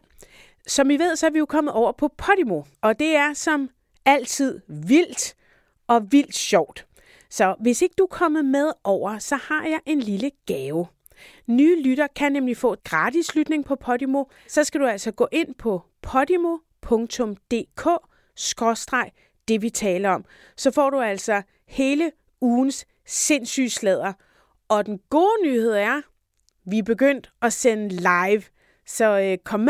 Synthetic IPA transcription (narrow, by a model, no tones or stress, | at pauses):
sɒ̽mʋiʋe̝ð̞̰ˠsɒæɐʋijo̝kʰɒ̽m̰əð̩ˠɒʊ̰ɐpʰɒ̽pʰɒ̽ɾ̥imo̝ | ɒ̽d̥e̝æɐsɒ̽m | æl̰t͡sʰið̞̰ˠʋil̰d̥ | ɒ̽ʋil̰d̥ɕɒʊ̰d̥ | sɒ̽ʋe̝se̝ɡ̥əd̥uækʰɒ̽mð̩ˠmeð̞ˠɒʊ̰ɐsɒ̽hɑ̈jɑ̈ɪʔe̝nliləɡ̥ɛːʊ | nyːlyɾɐkʰænemlifɔ̰̽ːɡ̥ʁɑ̈ːd̥islyd̥ne̝ŋpʰɒ̽pʰɒ̽ɾimo̝ | sɒ̽sɡ̥æɾuæl̰sɒɡ̥ɔ̰̽ːʔe̝n̰pʰɒ̽ | pʰɒ̽d̥imo̝ | pʰɔ̽ŋt͡sʰɔ̽md̥e̝̰ːkʰɔ̰̽ː | sɡ̥ʁɒsd̥ʁɑ̈ɪ | d̥e̝ʋit͡sʰɛːlɐɒ̽m̰ | sɒ̽fɒ̰ːɾ̥uæl̰sɒ̽ | he̝ːlə | uːn̩sː | e̝nsy̰ːslɛð̞̰ˠɐ | ɒ̽d̥enɡ̥o̝ːnyːhe̝ð̞̰ˠæɐ | ʋib̥e̝ɡ̥øn̰d̥ɒsenəlɑ̈ɪʋ | sɒ̽kʰɒ̽m